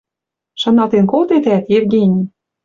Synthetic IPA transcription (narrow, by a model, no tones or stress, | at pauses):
ʃɑ̆nɑlˠt̪enkolˠt̪et̪æt̪jevɡʲenʲi